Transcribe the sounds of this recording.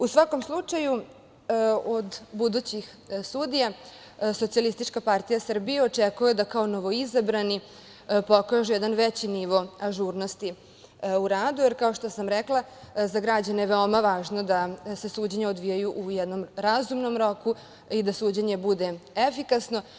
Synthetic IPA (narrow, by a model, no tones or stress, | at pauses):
usʋako̞mslˠut͡ʂaju | od̪bud̪ut͡ɕix | sud̪ija | sot̪sijalist̪it͡ʂkapaɾt̪ijasər̩bijeo̞t͡ʂekujed̪akao̞noʋo̞izabɾani | po̞kaʒujɛd̪anʋet͡ɕiniʋo̞aʒuɾno̞st̪i | uɾaːd̪ujeɾkao̞ʃt̪osamɾɛklˠazaɡɾad͡ʑanejeʋeomaʋaːʒnod̪ase̞suːd͡ʑeɲeod̪ʋijajuʔujɛd̪no̞mɾazumno̞mɾo̞ku | id̪asuːd͡ʑeɲe̞bud̪e̞efikasno̞